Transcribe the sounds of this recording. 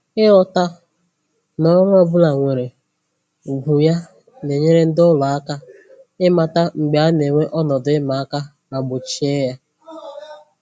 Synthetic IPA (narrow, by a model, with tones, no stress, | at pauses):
ɪ˦ɔ˦ta˦ | nɔ˦ŋʷ˦ɔ˦bʊ˦la˨ŋʷe˨ɾe˨ | ɡʷu˨ja˦ | ne˨ɲe˦ɾe˦n̩˦dʊ˦lɔ˨a˦ka˦ | ɪ˦ma˨ta˦ŋ͡m̩˨ɡ͡ba˨˦ne˨ŋʷe˦ʔɔ˦nɔ˨dʊ˨ɪ˦ma˨a˦ka˦ | na˨ɡ͡bʊ˨t͡ʃi˦e˦ja˦